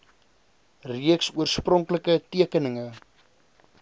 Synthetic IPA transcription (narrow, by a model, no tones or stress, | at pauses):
riəksuərsprɔŋkləkətiəkənəŋə